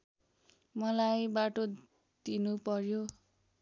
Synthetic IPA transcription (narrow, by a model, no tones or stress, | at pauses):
mʌlajbaʈo | d̪̥inupʌrjo